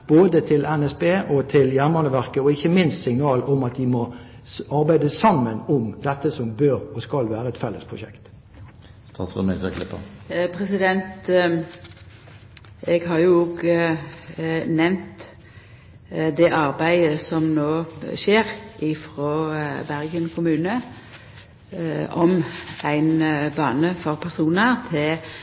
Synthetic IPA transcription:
b̥oːd̪ət̪ʰɪlɛnɛsbeːʔɔt̪ʰɪljænmɑnəʋæʁkəɔɪçːəmɪnst̪sɪŋnɑːlʊmɑt̪d̪ɪmɔ | ɑʁbæɪd̪əsɑmːənʊmd̪ɛt̪ːəsɔmbøːɾɔskɑlʋæːɾəɛt̪fɛlːəspʰʁʊʃɛ̰kt̪ | st̪ʰɑ̰sɛ̰meɡəkʰlɪ̰pːə̰pʰɾɛsɪd̪ɛnt̪ | eːɡɦɑʁjʊoːɡ | nɛʋnt̪ | d̪ɛʔɑʁbæɪəsɔmnoːʃeːɾʔɪfʁoːbæʁɡənkʰʊmʉːnə | ɔmæɪnbɑːnəfɔʁpʰæʁsuːnəɾt̪ʰɪl

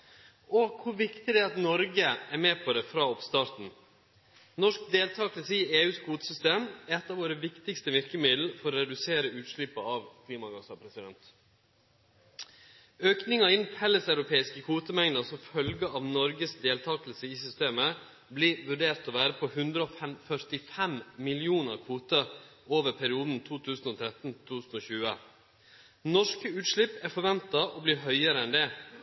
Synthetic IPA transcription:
ɔkʰʊɾʋɪkt̪ɪd̪ɛɑt̪nɔɾɡəæɾmɛːpʰɔd̪ɛfɾɑːɔpst̪ɑːɾt̪n̩ | nɔʂk̚d̪eːlt̪ʰɑːklsəieːʉːskʰuːt̪ə̥sʏst̪eːmɛt̪ːɑːʋoːɾəʋɪkt̪ɪkst̪əʋɪɾkəmɪd̪l̩fɔɾɔɾɛd̪ʉseːɾəʉːt̪ʂɭɪpːɑɑʋkʰliːmɑɡɑsɑpʰɾɛsɪd̪ɛnt̪ | øːknɪŋɑɪnhɛləsɑʉɾʊpʰeːɪskəkʰʋuːt̪əmæŋnəsɔmfœlɡəʔɑːʋnɔɾɡəsd̪eːlt̪ʰɑːklsəɪsʏst̪eːmə | bliːʋʉɖeːɾt̪oːʋæːɾəpʰɔhʉnd̪ɾəoːfɛmfœɾt̪ɪfɛmmɪlɪuːnəɾkʰʋuːt̪əoːʋəɾpʰæɾɪuːd̪n̩t̪ʰuːt̪ʰʉːsn̩oːt̪ʰɾɛt̪n̩t̪ʰuːsn̩oːçʉːə | nɔʂkəʉːt̪ʂɭɪpːæɾfɔɾʋɛnt̪ɑʔobliːɦœʏəɾəɛnd̪ɛː

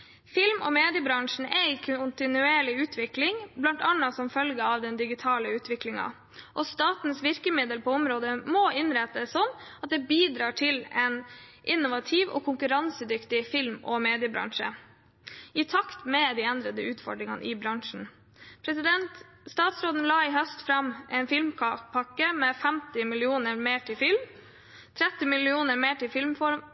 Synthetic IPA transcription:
fɪlmɔ̰ːmeːd̪ɪəbɾɑŋʂɳ̩æɪkʰʊnt̪ɪnʉeːɭɪʉːt̪ʰʋɪklɪŋblɑnt̪ɑnːɑsɔmfœlɡəɑʋd̪ɛnd̪ɪɡɪt̪ʰɑːləʉːt̪ʰʋɪklɪŋɑ̰ | ʔɔst̪ɑːt̪n̩sʋɪɾkəmɪd̪əlpʰɔɔmɾoːd̪əmoːʔɪnɾɛt̪əsːɔnːɑt̪̚d̪ɛːbiːd̪ɾɑːʈʰɪlɛnʔɪnːʊʋɑt̪ʰiːʋɔ̰ːkʰʊŋkʉɾɑnsəd̪ʏkt̪ɪfɪlmɔ̰meːd̪ɪəbɾɑ̰ŋʂə̰ | ɪt̪ʰɑkt̪mɛd̪iːɛnd̪ɾəd̪əʉːt̪fɔ̰ɖɾɪŋɑ̰nʔɪbɾɑŋʂn̩ | pʰɾɛsɪd̪ɛnt̪ | st̪ɑːt̪sɾoːd̪n̩lɑːɪɦœst̪fɾɑmʔɛːnfɪlmkʰpʰɑkːəmɛfɛmt̪ɪmɪlɪuːnəɾmeːʈʰɪfɪlm | t̪ʰɾɛt̪ːɪmɪlɪuːnəɾmeːʈɪfɪlmfɔɾm

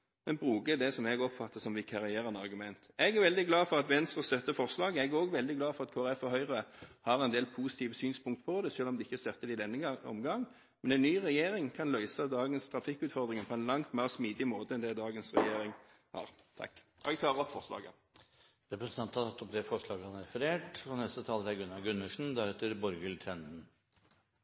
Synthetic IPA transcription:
mɛnbʁuːɡəd̪ɛsɔmɛɡɔpfɑt̪ːəsɔmʋɪkʰɑʁɪeːɾənɑʁɡʉmɛnt̪ɛɡæɾʋɛld̪ɪɡlɑːfɔʁɑt̪ʋɛnst̪ʁəst̪œt̪ːəfɔʁslɑːɡəɛɡoːɡʋɛld̪ɪɡlɑːfɔʁɑt̪kʰoːɾɛfɔɾhœʏʁəhɑɾɛnd̪eːlpʰuːsɪ̥t̪ʰiːʋəsyːnspʰʊŋkt̪pʰɔd̪ɛʃøːlɔmd̪ɛɪçːəst̪œt̪ːəɾɪd̪ɛnːəɔ̰mɡɑŋ | mɛnɛnnːyːʁɛjeːɾɪŋkʰɑnlœʏsɑd̪ɑːɡənst̪ʰʁɑfɪkːʉːt̪fɔʁd̪ʁɪŋənpʰɔɛnlɑŋt̪mæʁsmiːd̪ɪmoːt̪əɛnd̪ɛd̪ɑːɡənsʁɛ̰jeːɾɪŋ | hɑ̰ːʁt̪ʰɑ̰kː | ʔɛɡ̚t̪ʰɑːʁəʁɔpfɔʁslɑ̰ːɡə̰ | ɾɛpɾɛsnʰɑnt̪hɑt̪ʰɑt̪ːɔp̚d̪ɛfɔʂɭɑːɡəhɑnɾɛfəɾeːʈfɾɑnɛst̪ət̪ʰɑːləɾæɡʉnːɑɡʉnːəʂɳ̩d̪æɾɛt̪ːəɾbɔɾɡəlt̪ʰɾɛnd̪n̩

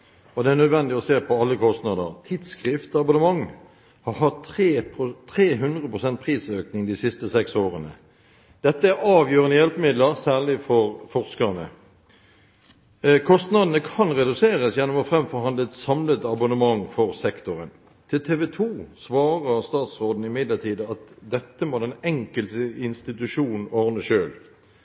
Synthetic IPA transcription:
ɔd̪ɛæʁnœd̪ʋɛnd̪ɪɔseːpʰɔɑlːəkʰɔst̪nɑːd̪ə̰ʁt̪ʰiːd̪skʁɪft̪ɑbʊnəmɑŋː | hɑʁɦɑt̪eːpʰt̪ʰʁeːɦʉnd̪ʁəpʰʁʊsɛnt̪̚pʰʁiːsøːknɪŋd̪ɪsɪst̪əsɛksoːʁənə̰ | d̪̥ɛt̪ːəæɾɑːʋjøːʁənəjɛlpmɪd̪ləʁsæːʁɭɪfɔʁfɔʁskəʁnə̰ | kʰɔst̪nɑd̪nəkʰɑnʁɛd̪ʉseːʁəsjɛnːɔmɔfʁɛmfɔʁhɑnd̪ləɛt̪sɑmlət̪ɑbʊnəmɑŋfɔʁsɛkt̪ʊʁən | t̪ʰɪlt̪ʰeːʋɛt̪ʰuːsʋɑːʁəʁst̪ɑːt̪sʁoːd̪n̩ɪmɪd̪ləʁt̪ʰiːd̪əɑt̪d̪ɛt̪ːəmɔd̪ɛnɛŋkəlsəɪnst̪ɪt̪ʉʂuːnn̩ɔʁnəʃøːl

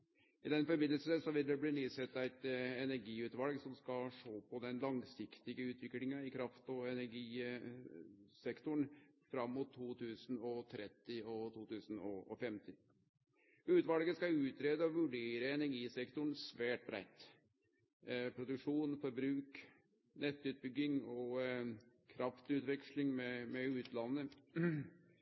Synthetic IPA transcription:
ɪd̪ɛnfɔɾbɪd̪əlsəsəsɔʋɪld̪ɛbliːniːsɛt̪ːæɪt̪ɛnæɾɡiːʉːt̪ʋɑlɡsɔmskɑʂoːpʰɔd̪ɛnlɑŋsɪkt̪ɪɡəʉːt̪ʰʋɪklɪŋɑɪkʰɾɑft̪ɔɛnæɾɡiː | sɛkt̪ʊɳfɾɑmːʊt̪ʰːuːt̪ʰʉːsnɔt̪ʰɾɛt̪ːɪɔt̪ʰuːt̪ʰʉːsn̩ɔɔ̰fɛmt̪ɪ | ʉːt̪ʋɑlɡəskɑʉːt̪ɾeːd̪əɔʋʉɖeːɾəɛnæɾɡiːsɛkt̪ʊɳsʋæːʈ̚bɾæ̰ɪt̪ | pʰɾʊd̪ʉkʂuːnfɔɾbɾʉːk | nɛt̪ːʉːt̪̚bʏɡːɪŋɔ | kʰɾɑft̪ʉːt̪ʋɛkʂlɪŋmɛmɛʉːt̪lɑnːə

